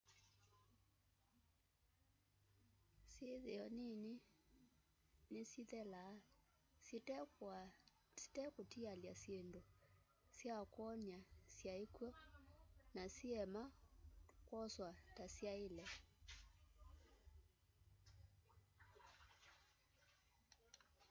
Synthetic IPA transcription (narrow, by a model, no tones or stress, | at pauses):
siðeɔnini | nesiðɛla | s | si̥tɛkotialjasendo | sjakwɔɲasjaekwɔ | nasiɛma | kwɔswatasjaelɛ